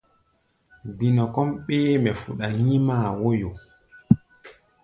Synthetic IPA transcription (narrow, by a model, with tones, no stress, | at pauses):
bi˨nɔ˨kɔ˦mɓɛː˦mɛ˨fṵ˨ɗa˨ɲi˦maː˦˨wo˦jo˨